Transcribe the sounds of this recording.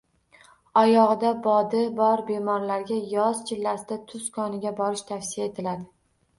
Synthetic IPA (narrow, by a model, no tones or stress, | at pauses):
ɒjɒʁɨd̪abɒd̪ɪbɒɾbe̞mɒɾlaɾɡʲajɒz̥t͡ʃʰɪlːasɪd̪at̪ʰʊskʰɒnɪɡʲabɒɾɪʃt̪ʰafsɪjae̞t̪ʰɪlad̪ɪ